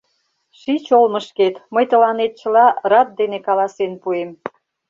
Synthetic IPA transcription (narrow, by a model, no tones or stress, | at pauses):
ʃit͡ɕolməʃket̪məjt̪əlɑnet̪̚t͡ɕəlɑrɑt̪̚d̪enekɑlɑsenpuem